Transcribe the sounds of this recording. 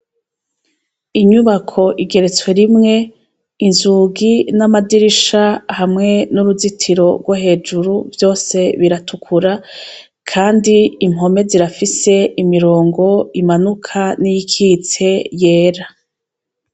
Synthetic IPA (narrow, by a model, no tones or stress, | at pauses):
iɲuβakʰo̞ʔiɡe̞ɾet͡swe̞ɾimŋe̞ | inzuɡinamadiɾiʃahamŋe̞nuɾuzitʰiɾo̞ɾɡwaɦe̞ːd͡ʒuɾuvjo̞ːse̞βiɾatʰukʰuɾa | kʰaːndiːmɦo̞me̞ziɾafise̞imiɾo̞ːŋɡo̞imanukʰanijikʰiːt͡se̞je̞ːɾa